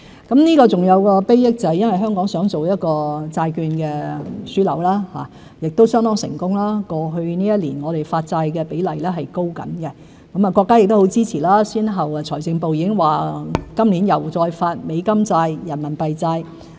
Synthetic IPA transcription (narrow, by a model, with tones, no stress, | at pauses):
kɐ˨˥mniː˥kɔː˧t͡sʊ˨ŋjɐ˨˧wkɔː˧pe˥jjɪ˥k̚t͡sɐ˨˩hɐ˨jɐ˥nwjɦœː˥ŋkɔː˨˥ŋsœː˨˥ŋt͡so˨wjɐ˥t̚kɔː˧t͡saː˧jkyː˧nkɛː˧syː˥lɐ̰˨˩wlaː˥ha̰ː˨˩ | jɪ˨k̚t̪o˥wsœː˥ŋt̪ɔː˥ŋsɪ̰˨˩ŋkʊ˥ŋlaː˥kɔː˧ɦɵ˧ɥniː˥jɐ˥t̚liː˨˩nŋɔː˨˧ɾe˨jfaː˧t̚t͡saː˧jkɛː˧pe˨˥jlɐ˨˩jlɛː˥ɦɐ˨jko˥wkɐ̰˨˥nkɛ˧ | kɐ˨˥mɐ˨kɔː˧kːaː˥jɪ˨k̚t̪o˥ho˨˥wt͡siː˥t͡sʰiː˨˩laː˥siː˥nɦɐ˨wɐ˨t͡ʃʰɔː˨˩jt͡sɪ˧ŋpo˨wjiː˨˧kɪ˥ŋwaː˨˩kɐ˥mliː˨˥njɐ˨˩wt͡sɔː˧jfaː˧t̚me˨˧jkɐ˥mt͡saː˧jjɐ˨˩nmɐ˨˩npɐ˨jt͡saː˧j